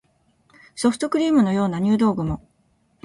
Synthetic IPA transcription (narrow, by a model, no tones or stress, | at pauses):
so̞ɸɯ̥t̪o̞kɯ̟ɾʲiːmɯ̟no̞jo̞ːnaɲ̟ɨːd̪o̞ːɡɯ̟mo̞